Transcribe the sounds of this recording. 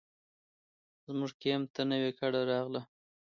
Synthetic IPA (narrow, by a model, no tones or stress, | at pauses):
zmuʐkemt̪ənəwekaɽaɾɑɣla